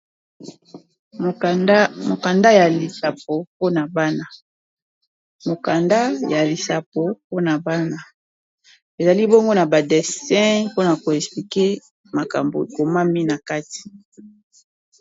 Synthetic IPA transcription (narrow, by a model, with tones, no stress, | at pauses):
mo˨ka˨nda˦ja˨li˨sa˨po˨po˦na˨ba˦na˦ | mo˨ka˨nda˦ja˨li˨sa˨po˨po˦na˨ba˦na˦ | e˨za˨li˦bo˦ŋɡo˦na˨ba˨de˨sɛ̃˦po˦na˨ko˨ɛ˨spli˨ke˦ | ma˨ka̰˨mbo̰˨ko˨ma˦mi˦na˨ka˦ti̥˨